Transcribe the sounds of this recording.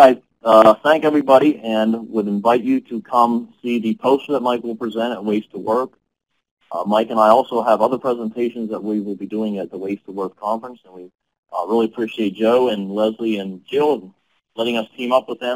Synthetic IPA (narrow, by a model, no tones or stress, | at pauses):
aɪ | θæ̃ŋkɛvɹibɑɾiʔɨ̃nwəɾɨ̃ɱvaɪt͡ʃɨɾɨkʰʌ̃msiðɨpʰoʊst̚ðət̚maɪkwəl̩ˠpʰɹ̥izɛ̃ɾ̃ɨt̚weɪstʰəwɜ˞k | maɪkɨ̃naɪɔlˠsoʊəvʌðə˞pʰɹ̥ɛzə̃ntʰeɪʃɨ̃nzðət̚wiwəlˠbiduɪ̃ŋɨt̪̚ðəweɪstʰəwɜ˞kʰɑ̃ɱfɹə̃nsə̃nwi | ɹɪlˠiɨpʰɹ̥iʃieɪt̚d̥ʒ̥oʊɨ̃nlɛzliɨ̃nd͡ʒɪlˠ | lɛɾɪ̃ŋʌstʰĩmʌpwəðɨ̃m